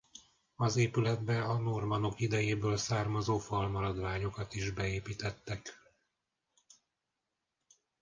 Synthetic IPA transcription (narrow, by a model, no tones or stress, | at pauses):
ɒzeːpylɛd̪bɛɒno̞rmɒno̞kid̪ɛjeːbøːlsaːrmɒzoːfɒlmɒɾɒd̪ʋaːɲo̞kɒt̪iʒbɛeːpiːt̪ɛt̪ːɛk